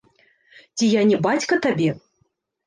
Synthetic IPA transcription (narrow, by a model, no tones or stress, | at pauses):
t͡sʲijanʲɛbat͡sʲkɐt̪abʲɛ